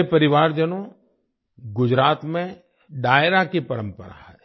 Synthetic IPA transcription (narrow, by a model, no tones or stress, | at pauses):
epɐɾɪʋaːɾd͡ʒənõ | ɡʊd͡ʒɾaːt̪mẽ | ɖaːɪɾakepɐɾə̃mpə̰ɾa̰ɦɛː